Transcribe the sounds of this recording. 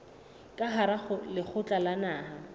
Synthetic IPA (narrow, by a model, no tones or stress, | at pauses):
kʼaɦaɾaχʊlɪχʰʊt͡ɬʼalanaːɦa